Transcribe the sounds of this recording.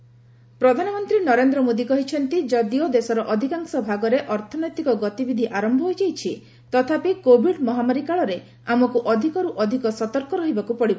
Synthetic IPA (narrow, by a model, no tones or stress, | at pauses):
pɾɔd̪ʱanɔmɔnt̪ɾinɔɾend̪ɾɔmod̪ikɔɦit͡ʃʰɔnt̪id͡ʒɔd̪iɔd̪esɔɾɔʔɔd̪ʱikaŋsɔbʱaɡɔɾeʔɔɾt̪ʰɔnɔjt̪ikɔɡɔt̪ibid̪ʱiʔaɾɔmbʱɔɦojd͡ʒajt͡ʃʰi | t̪ɔt̪ʰapikobʱiɖmɔɦamaɾikaɭɔɾe | amɔkuʔɔd̪ʱikɔɾuʔɔd̪ʱikɔsɔt̪ɔɾkɔɾɔɦibakupɔɽibɔ